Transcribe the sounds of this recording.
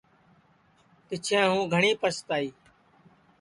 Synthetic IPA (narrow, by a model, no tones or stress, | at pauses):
kɪt͡ʃʰẽːɦũːɡʱəɳiːpəst̪aːiː